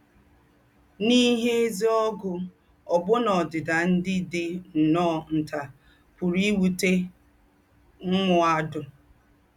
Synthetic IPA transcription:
ni˦ɦe˦e˦zi˦ɔ˦ɡʊ˨ | ɔ˨bʊ˦nɔ˨dɪ˨da˨n̩˦dɪ˦dɪ˦n̩˨nɔː˦˨n̩˨ta˨ | pʊ˨ɾi˦wu˨te˦ | ŋ̩˦ŋʊ˨a˦dʊ˨

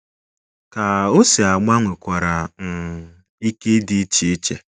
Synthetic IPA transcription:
ka˨o˦si˨a˨ɡ͡ba˦ŋʷe˨kʷa˨ɾa˨n̩˨ | i˦ke˦di˦t͡ʃi˦t͡ʃḛ˨

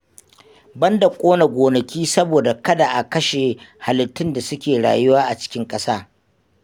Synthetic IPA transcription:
bɐ˦nda˨kʷʼoː˦na˨ɡʷoː˨nɐ˨kʲiː˦sɐ˦boː˨da˨kɐ˦da˨ʔa˨kɐ˦ʃe˨ha˨lɪ˨tːɪ˦nda˨sʊ˦kʲeː˨ɽa̰ː˨jʊ˦waː˦ʔa˨t͡ʃɪ̥˦kʲɪ˦ŋkʼɐ˦saː˦

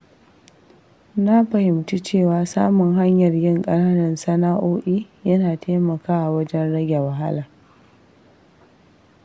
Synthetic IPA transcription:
na˦ɸɐ˨hɪ˨mtu˦t͡ʃeː˦˨waː˨saː˦mʊ˨ŋɦa˦ɲjɐ˨rjɪ˦ŋkʼɐ˦naː˦nɐ˨nsɐ˦naː˦ʔoː˦ʔiː˦jɐ˦naː˨tʰeː˦mɐ˨kaː˦ʔa˨wɐ˦d͡ʒɛ˦nɽɐ˦ɡʲa˨wɐ˨ɦa̰˦laː˨

